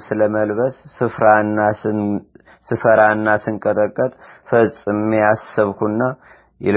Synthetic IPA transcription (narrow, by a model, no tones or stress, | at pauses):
sɨləməlβəsːɨfɾanːa | sɨfəɾaɨnːasɨŋkʼət̪ʼəkʼːət̪ʼfəsʼɨmijasːɨβkʰunːa | jɛ̰l